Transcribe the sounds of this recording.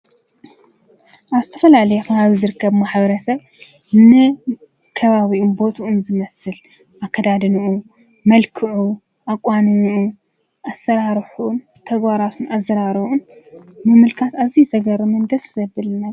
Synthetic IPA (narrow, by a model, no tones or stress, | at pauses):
ʔaβzɨt̪ʰɐfɐlalɐjɛfɐβaβizɨɾɨkːɐβmaħbɐɾɐsɐβ | nɨ | kʰɐβaβiʔunbo̞t̪ʰuʔunzɨmɐsɨl | ʔakʰːɐd̪ad̪ɨnɨʔu | mɐlkʰɨʕu | ʔakʼwanɨmuʔu | ʔasːɐɾaɾħun | t̪ʰɐɡbaɾat̪ʰunazɐɾaɾɨβunmɨmɨlkʰat̪azizɐɡɐɾɨmɨnd̪ɐsɐbɨlɨna